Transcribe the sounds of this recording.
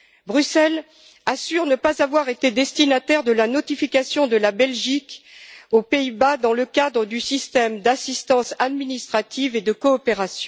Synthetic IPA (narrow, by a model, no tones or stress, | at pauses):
bʁysɛl | asyʁnəpazavwaʁet̪ed̪ɛst̪inat̪ɛʁd̪əlanɔt̪ifikʲasjɔ̃d̪əlabɛlʒikopeibad̪ɑ̃ləkʲad̪ʁəd̪ysist̪ɛmd̪asist̪ɑ̃sad̪minist̪χat̪ived̪əkɔːpeʁasjɔ̃